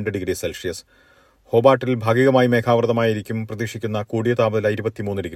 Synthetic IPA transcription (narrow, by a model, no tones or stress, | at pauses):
ɳɖɨɖiɡɾiselsijɐs | ho̞ːbaːʈːilbʱaːɡiɣɐmaːjime̞ːkʰaːʋɐrt̪ɐmaːjiɾikʲːumprɐðiːʂikʲːunːɐkuːɽijɐt̪aːbɐðilaiɾubɐt̪ːimuːnːɨɖiɡɾ